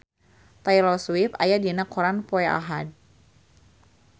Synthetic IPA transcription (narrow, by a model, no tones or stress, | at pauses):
t̪ajlɔswipa̰jadinakʰɔɾanpɔɛa̰ɦad̚